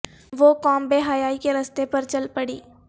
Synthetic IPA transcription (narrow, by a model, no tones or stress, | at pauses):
ʋoːkɔːmbeːɦaːjaːikeɾɐst̪epɐɾt͡ʃɐlpɐɽḭː